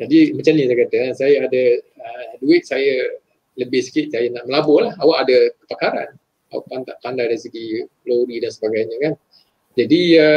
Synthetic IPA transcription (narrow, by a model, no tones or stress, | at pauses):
d͡ʒadimat͡ʃamɲəsajkat̪akansajaadəəduɪt̪̚saja | ləbɪhsə̥kɪt̪̚sajanaʔməlabʊhlahawaʔadakəpakaɾa̰n | a̰wa̰ʔpant̪aʔp̪andahdaɾisəɡiɡloɾidansəbaɡajɲə̃kan | d͡ʒadiə